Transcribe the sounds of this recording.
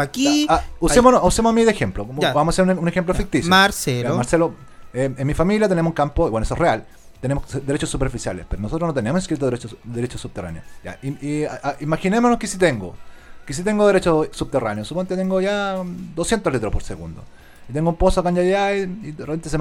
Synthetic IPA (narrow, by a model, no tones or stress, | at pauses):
akiausemonousemoamiðexemplokobamosaseɾununexemp̬lofik̚t̪isjoaɾselaomaɾselo | eenmifamiljat̪enemosuŋkampoiwenesoereal | t̪enemosd̪e̞ɾet͡ʃosːupeɾfisja̰lḛspeɾonosot̪ɾonot̪enemosiskɾit̪oðeɾeod̪eɾet͡ʃosub̚t̪era̰njo̰ja̰iiaaimaxinemonoskesit̪̬eŋɡokes̬it̪e̞ŋɡoðeɾet͡ʃosub̚t̪eranjosupoment̪et̪eŋɡoʝad̪osjent̪olit̪ɾopoɾseɣṵnd̪o̰ | it̪eŋɡoumposoakaɲajaiiðerepent̪ese